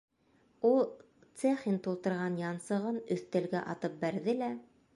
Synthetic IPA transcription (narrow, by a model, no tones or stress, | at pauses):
ulˠ | t̪seχint̪ulˠt̪ɤ̆ɾʁɑnjɑnsɤ̆ʁɤnɵ̆θt̪æ̆lɡæʔɑt̪ɤp̚bæɾðɘlæ